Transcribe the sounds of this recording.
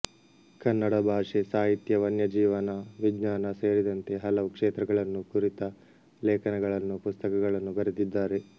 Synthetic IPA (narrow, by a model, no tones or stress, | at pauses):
kɐnːɐɽɐbʱaːʂesaːɦit̪jɐʋɐnjɐd͡ʒiːʋɐnɐʋiɡɲaːnɐse̞ːɾid̪ɐnt̪eɦɐlɐʋukʂeːt̪ɾɐɡɐɭɐnːukuɾit̪ɐ | lɛːkɐnɛɡɐɭɐnːupust̪ɐkɐɡɐɭɐnːubɐɾit̪id̪ːaːɾe̞